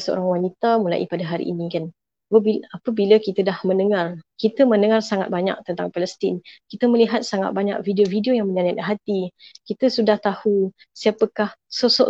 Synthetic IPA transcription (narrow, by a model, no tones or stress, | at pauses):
səo̰ɾaŋwanit̪amula̰ʔḭpadaɦaɾḭʔːnikan | əbiapəbilakit̪ədahmə̃nəŋarkit̪əmə̃nəŋarsaŋat̪̚baɲa̰k̚t̪ənt̪aŋpaləst̪inkit̪əməliɦat̪̚saŋa̰t̪̚baɲa̰k̚vidiovidiojaŋməɲanad̪ɦat̪ikit̪əsudaht̪ahu | siapəkahsosɔʔ